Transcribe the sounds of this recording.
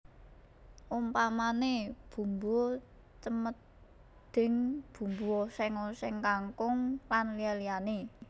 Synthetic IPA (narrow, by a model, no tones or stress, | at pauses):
ʔumpamaneb̥ṳmbo | t͡ʃəmət̪̚ | d̪̥ɪ̤ŋb̥ṳmbuosɛŋosɛŋkaŋkʊŋlanlialiane